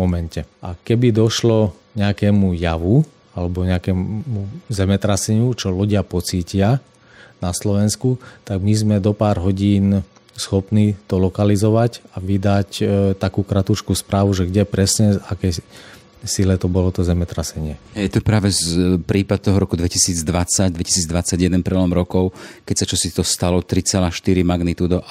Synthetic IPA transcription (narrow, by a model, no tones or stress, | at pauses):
mɔmɛncɛʔakɛbid̪ɔʃlɔ | ɲɛakɛːmujaʋu | alɛbɔɲɛakɛːmuzɛmɛt̪ɾasɛɲut͡ʃɔluɟɪapɔt͡siːcɪa | naslɔʋɛnskut̪aɡmizmɛd̪ɔpaːɾɦɔɟiːn | sxɔpnit̪ɔlɔkalizɔʋacaʋid̪act̪akuːkɾat̪ut͡ʃkuːspɾʔaːʋuʒɛɡɟɛpɾɛsɲɛakɛ | silɛt̪ɔbɔlɔt̪ɔzɛmɛt̪ɾasɛɲɪɛɦɛjɛt̪ɔpɾaːʋɛpɾiːpad̪̚t̪ɔɦɔɾɔkud̪ʋɛcisiːd͡zd̪ʋat͡saɟd̪ʋɛcisiːd͡zd̪ʋat͡saɟjɛd̪ɛnpɾɛlɔmɾɔkɔʊkɛcsat͡ʃɔsit̪ɔst̪alɔt̪ɾit͡sɛlaːʃt̪iɾimaɡnit̪uːd̪ɔ